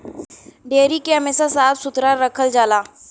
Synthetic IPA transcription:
ɖeːɾikeɦɐmeːsasaːt̪ʰsʊt̪ɾaɾəkʰəld͡ʒaːlaː

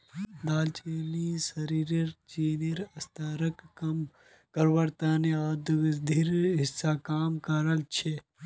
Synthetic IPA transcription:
d̪aːlt͡ʃeːnisɐɾiːɾiɾt͡ʃiːniɾɐst̪aːɾɐkːɐm | kɐɾʋɐɾt̪aːneaːd̪uɡɐd̪ʱiɾɦɪsːakaːmkɐɾɐlt͡ʃʰe

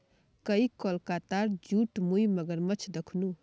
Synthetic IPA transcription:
kəikɔlkat̪aɾd͡ʒuʈmujmʌɡəɾmʌt͡ʃʰd̪ekʰnu

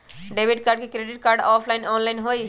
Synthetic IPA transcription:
ɖebʱiɖkaːɾɖ̚kekɾeɖiʈ̚kaːɾɖɔːpʰlajnɔːnlajnɦoj

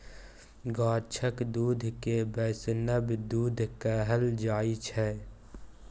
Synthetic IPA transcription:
ɡaːɾt͡ʃʰəkd̪uːd̪ʱkebɛːsnəbd̪uːd̪ʱkəɦəld͡ʒaːit͡ʃʰɛ

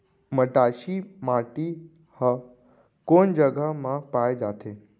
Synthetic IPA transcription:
məʈaʃimaʈi | hə | kond͡ʒəɡʱəmãpaːjd͡ʒaːt̪ʰe

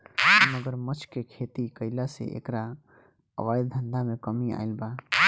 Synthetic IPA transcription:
məɡəɾmət͡ʃʰkekʰeːt̪ikəɪlasḛʔḛːkɾa | ə̰ʋaːjd̪̚d̪ʱə̃nd̪amẽkəmia̰ːɪlba

